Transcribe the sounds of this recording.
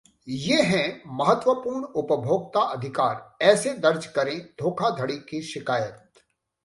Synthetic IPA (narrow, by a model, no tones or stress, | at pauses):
jeːɦɛ̃mɐɦət̪ʋəpuːɾɳʊpəbʱjoːɡ̚t̪aʔɐd̪ʱɪkaːɾɛːsed̪ɐɾd͡ʒkɐɾẽd̪ʱoːkʰad̪ʱɐɽikiʃɪkaːjət̪̚